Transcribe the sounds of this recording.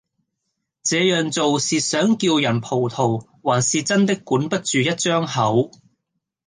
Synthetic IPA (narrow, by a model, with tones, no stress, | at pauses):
t͡sɛː˨˧jœː˨ŋt͡so˨wsiː˨sœː˨˥ŋki˧wjɐ˨˩npʰo˨˩wt̪ʰo˨˩w | waː˨˩nsiː˨t͡sɐ˥nt̪ɪ˥kːuː˨˥npɐ˥t̚t͡ʃyː˨jɐ˥t̚t͡ʃœː˥ŋhɐ˨˥w